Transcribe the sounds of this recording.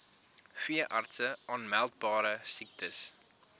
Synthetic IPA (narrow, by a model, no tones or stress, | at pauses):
fiəʔɐrtsəʔɑnmælˠt̚bɑːɾəsik̚tʰəs